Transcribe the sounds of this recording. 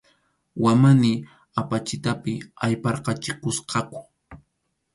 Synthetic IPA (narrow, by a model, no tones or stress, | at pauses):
wamanɪ | apat͡ʃɪt̪apɪajpɑɾqɑt͡ʃɪkʊsqʰɑkʊ̥